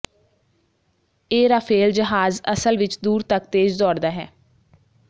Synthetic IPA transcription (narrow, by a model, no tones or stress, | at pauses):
eːɾaːpʰeːld͡ʒəɦaːzə̰səlʋɪt͡ʃd̪uːɾt̪ək̚t̪eːd͡ʒd̪ɔːɽd̪aːɦɛ̰ː